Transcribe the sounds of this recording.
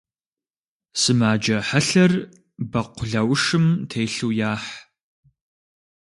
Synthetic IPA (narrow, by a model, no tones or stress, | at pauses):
sɨmaːd͡ʒɐħɐɬɐr | bɐqʷʰʊɮɐwʂɨmtʰeːɬuwjaːħ